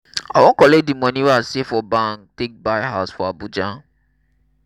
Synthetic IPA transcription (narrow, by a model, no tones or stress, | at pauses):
awõkɔlek̚dimɔ̃nĩɾasefɔbãŋktek̚baɪɦaʊsfɔabud͡ʒã